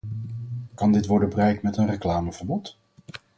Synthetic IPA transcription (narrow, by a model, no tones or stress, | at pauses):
kɑndɪtʋɔɹdəbərɛjk̚tmɛtənrəklaːməvəɹbɔt